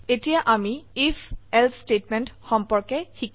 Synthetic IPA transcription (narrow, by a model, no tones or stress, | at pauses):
etijaʔamiifʰɛlpʰstetmɛntxɔmpɔɹkɛxik